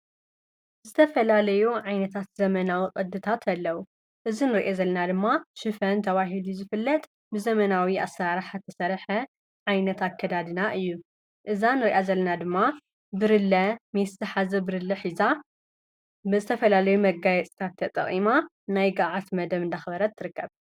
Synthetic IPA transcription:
zɨt̪ʰɐfɐlalɐjuʕajnɐt̪ʰat̪zɐmɐnawiqʼɐd̪ːɨt̪ʰat̪ʰɐlːɐwu | ʔɨzinɨɾʔezɐlːɐnad̪ɨmːaʃɨfɐnt̪ʰɐβaɦiluzɨfɨlːɐt̪ʼ | bɨzɐmɐnawiʔa̰saɾaħat̪ʰːɐsɐɾħɐ | ʕajnɐt̪ʰakʰːɐd̪ad̪ɨnaʔɨjːu | ʔɨzanɨɾiʔazɐlːɐnad̪ɨmːa | bɨɾɨlɐmiszɨħazɐbɨɾɨlɐħiza | bɨzɨt̪ʰɐfɐlalɐjumɐɡajɛt͡sʼi̥t̪ʰat̪ʰːɐt̪ʼɐ̰χʼima | najɡaʕat̪mɐd̪ɐβɨnd̪axɐbɐɾɐt̪ʰːɨɾɨkːɐβ

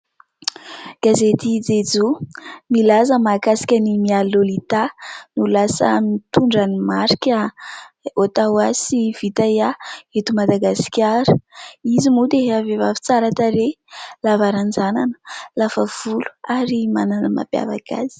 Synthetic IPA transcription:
ɡ̥azet̪id͡zed͡zumilazəmakasi̥kʲənimialolit̪anulasə̰mit̪uɳɖ͡ʐanimaɾikʲə | ot̪awasiv̥it̪ajaet̪umad̪aɡasi̥kʲaɾuizimud̪eɦavevafi̥t͡saɾat̪aɾe | lavaɾand͡zananə̥lafəv̥ulu̥aɾimananəma̰pja̰va̰ka̰z̥i̥

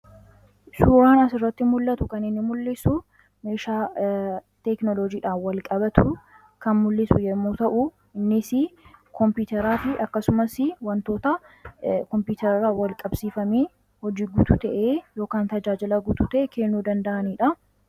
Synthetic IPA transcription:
suːɾaːnɐsɪrːɐt̪ːɪmʊlːɐt̪ʊkɐnɪnːɪmʊlːɪsʊ | meːʃaː | t̪ɛknɔlod͡ʒiːᶑaːfwɐlkʼɐbɐt̪ʰʊ | kɐnmʊlːɪsʊjɛmːuːt̪ɐʔʊ | ɪnːɪsɪkʰɔmpuːt̪ɛɾaːfɪʔɐkːɐsʊmɐsɪwɐnt̪o̞ːt̪ɐ | kɔmpjuːt̪ɛɾɪrːaːwɐlkʼɐbsiːfɐmeː | hɔd͡ʒiːɡʊt̪ʊt̪ɐʔeːjo̞ːkaːnt̪ɐd͡ʒaːd͡ʒɪlɐɡʊt̪ʊt̪ɐʔɛkeːnːuːd̪ɐnd̪ɐʔɐniːᶑɐ

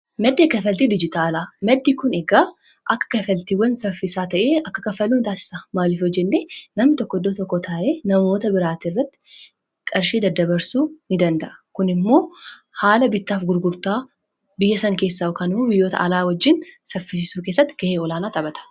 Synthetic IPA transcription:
mɛd̪ːeːkɐfɐlt̪iːd̪ɪd͡ʒɪt̪aːlamɛd̪ːiːkʊneɡaː | ʔɐkːɐ̥kɐfɐlt̪iːwːɐnsɐfɪsaːt̪ɐʔeːɐkːɐkɐfɐlːuːnt̪aːsɪ̥samaːlɪfɔd͡ʒːɛnːeːnɐmɪt̪ɔkːɔd̪ːoːt̪ɔkːɔt̪ʰaːʔeːnɐmo̞ːt̪ɐbɪɾaːt̪irːɐt̪ːɪ̥ | kʼɐɾʃeːd̪ɐd̪ːɐbɐɾsuːnɪd̪ɐnd̪ɐʔɐkʊnɪmːo̞ː | haːlɐbɪt̪ːaːfɡʊɾɡʊɾt̪aː | bɪjːɐsɐŋke̞ːsːaɔkaːnɪmoːbɪjːo̞ːt̪ɐ̰ʔɐlaːwɐd͡ʒːɪnsɐfɪsɪsuːk̬eːsːɐt̪ːɪɡ̥ɐeːɔlaːnaːt̪ɐbɐt̪ɐ̥

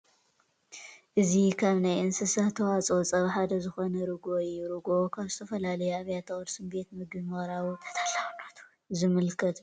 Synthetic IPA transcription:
ʔɨzikʰaβnajʔɨnsɨsɐht̪ʰɐwat͡sʼot͡sʼɐβħad̪ɐzɨxo̞nɐɾɨɡojɾɨɡo̞kʰaβzɨt̪ʰɐfɐlalɐjuaβjat̪ʰɐɣʼɐɾsɨmbe̞t̪mɨɡɨmɐɾawut̪ʰɐ̥t̪ʰalanat̪u̥ | zɨmɨlkʰɐt̪

